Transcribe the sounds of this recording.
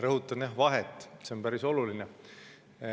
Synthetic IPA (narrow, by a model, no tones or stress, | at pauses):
ɾɤɦut̪ːˑɑnjɑɦvɑɦet̪ːˑse̞o̞npæɾiso̞luline